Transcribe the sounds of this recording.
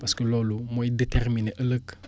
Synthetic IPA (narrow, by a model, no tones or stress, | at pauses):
paskəlɔlumoidetɛʁmineʔələk